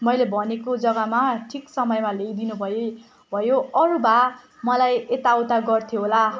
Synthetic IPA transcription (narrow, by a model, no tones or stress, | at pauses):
mʌjlebʱʌnekod͡zʌɡamaʈʰiksʌmʌjmaleɡd̪inubʱʌe | bʱʌjoʌɾuba | mʌlajet̪awt̪aɡʌrt̪ʰjoɦola